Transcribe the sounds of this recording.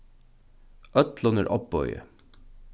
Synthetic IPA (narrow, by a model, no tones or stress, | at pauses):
ʔœt̪lɔnəɾʔɔp̚bɔʏə̰